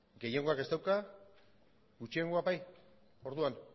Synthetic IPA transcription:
ɡe̞jeŋɡo̞ake̞st̪awka | ɡut͡ʃieŋɡo̞abaj | o̞ɾðuan

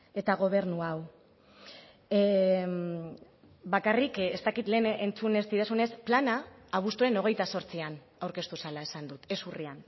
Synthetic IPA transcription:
e̞t̪aɣ̞o̞β̞e̞ɾnuaw | bakarikest̪akit̪le̞ːnent͡sune̞st̪iɾasune̞splanaːβ̞ust̪uɾe̞no̞ɣ̞e̞jt̪aso̞ɾt͡sian | awɾke̞st̪usalae̞sand̪ut̪e̞surian

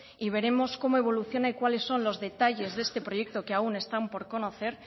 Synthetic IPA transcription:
iβ̞e̞ɾe̞mo̞sko̞mo̞e̞β̞o̞luθjo̞naikwale̞sːo̞nlo̞zðe̞t̪aʝe̞zðe̞st̪e̞pɾo̞je̞k̚t̪o̞keaune̞st̪ampo̞ɾko̞no̞θe̞ɾ

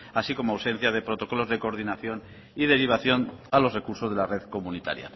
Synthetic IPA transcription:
asiko̞moawse̞n̟θjað̞e̞pɾo̞t̪o̞ko̞lo̞zðe̞koɾðinaθjo̞n | ið̞e̞ɾiβ̞aθjonalo̞zre̞kuɾso̞zð̞e̞lare̞ðko̞munit̪a̰ɾja̰

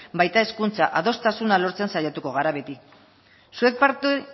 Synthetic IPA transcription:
bajt̪ae̞skunt͡saʔaðo̞st̪asunalo̞ɾt͡sensajat̪uko̞ɣ̞aɾaβe̞t̪i | sue̞k̚paɾt̪u

